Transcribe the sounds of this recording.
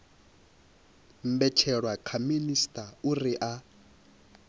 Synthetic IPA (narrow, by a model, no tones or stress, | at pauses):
m̩bɛt͡ʃʰɛɺwakʰaministʼauriʔa